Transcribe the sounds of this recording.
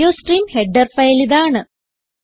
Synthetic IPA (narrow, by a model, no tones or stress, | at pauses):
oːsʈriːmheɖːɐrfɐjliðaːɳɨ